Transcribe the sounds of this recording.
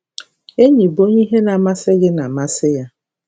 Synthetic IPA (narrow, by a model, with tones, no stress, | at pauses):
e˦ɲi˨bo˦ɲi˦ɦe˦na˨ma˦sɪ˦ɡɪ˦na˨ma˦sɪ˦ja˦